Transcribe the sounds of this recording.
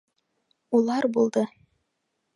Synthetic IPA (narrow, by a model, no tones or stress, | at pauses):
ulˠɑɾbulˠd̪ɤ